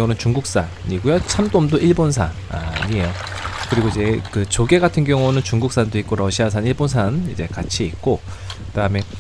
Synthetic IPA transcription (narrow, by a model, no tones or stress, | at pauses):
ŋunɯnt͡ɕuŋɡuk̚s͈a | ɲiɡujot͡ɕʰamdomdoʔiɭbonsʰa | a̰ɲieo | kɯɾiɡoid͡ʑe̞kɯt͡ɕoɡe̞ɡatʰɯnɡjʌŋunɯnt͡ɕuŋɡuk̚s͈andoik̚k͈oɾʌɕʰias̬ʰaniɭbonsʰanid͡ʑe̞kat͡ɕʰiːk̚k͈okɯdaɯme̞